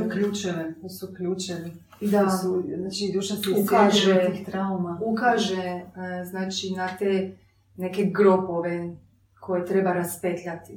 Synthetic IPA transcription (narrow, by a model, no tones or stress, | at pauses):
ukʎuːt͡ʃɛnet̪osuukʎuːt͡ʃɛni | d̪auznaːt͡ʃid̪uʃasiukaʒeiːt̪ɾaumaukaʒeznaːt͡ʃinat̪e | neke̞ɡɾopoʋe | kʰo̞jet̪ɾe̞baɾaspet̪ʎʲat̪i